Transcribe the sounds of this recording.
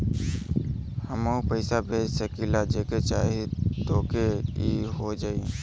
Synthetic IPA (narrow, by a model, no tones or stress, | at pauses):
həmoupəɪsabʱeːd͡ʒsəkilad͡ʒeːket͡ʃaːɦit̪oːkeiɦod͡ʒaːi